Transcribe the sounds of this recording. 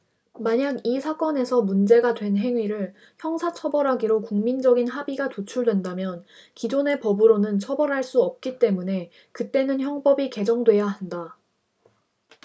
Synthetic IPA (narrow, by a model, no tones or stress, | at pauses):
maɲaɡisʰak͈ʌne̞sʰʌmund͡ʑe̞ɡadwe̞nɦe̞ŋɥiɾɯɭ | çjʌŋsʰat͡ɕʰʌbʌɾɦaɡiɾokuŋmind͡ʑʌɡinɦabiɡatot͡ɕʰuɭdwendamjʌnkid͡ʑone̞pʌbɯɾonɯnt͡ɕʰʌbʌɾɦaɭs͈uʌp̚k͈it͈e̞mune̞ | kɯt͈e̞nɯnçjʌŋpʌbike̞d͡ʑʌŋdwe̞jaɦanda